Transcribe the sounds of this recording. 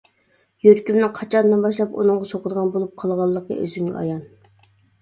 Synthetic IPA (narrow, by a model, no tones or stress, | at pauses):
jøɾkʲymnɨŋqʰɑt͡ʃʰɑnd̪ɨnbɑʃlˠɑpṵnɨŋʁɑsoqəd̪əʁɑnbolˠup̚qʰɑlˠʁɑlˠːəqə̰ʔø̰zyŋɪɑ̰jɑn